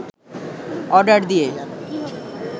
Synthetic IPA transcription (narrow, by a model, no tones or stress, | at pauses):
ɔɾɖaɾd̪ie